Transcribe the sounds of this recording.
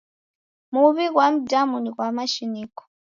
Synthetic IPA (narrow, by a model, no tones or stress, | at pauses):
muβiɣwam̩damuniɣwamaʃinikɔ̥